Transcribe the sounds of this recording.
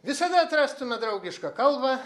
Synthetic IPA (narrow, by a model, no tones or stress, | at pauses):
ʋʲɪsɐd̪ɐɐt̪ɾɑːst̪ʊmʲɛd̪ɾɐʊɡʲɪʃkɐkɐlˠbɐ